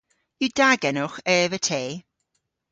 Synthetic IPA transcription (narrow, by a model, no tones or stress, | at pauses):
ud̥aɡɛnʊχɛːvətʰeː